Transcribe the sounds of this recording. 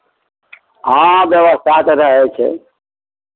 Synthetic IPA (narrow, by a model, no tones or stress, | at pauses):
ɦãbjəʋəst̪ʰat̪ɾəɦɛt͡ʃʰɛ̰